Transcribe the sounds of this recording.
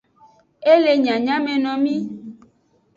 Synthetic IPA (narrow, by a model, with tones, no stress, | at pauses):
e˦le˨ɲã˨ɲã˦mẽ˨nɔ̃˨mĩ˦